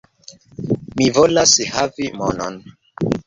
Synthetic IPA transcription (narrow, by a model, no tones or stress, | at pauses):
mivolashavimo̰no̰n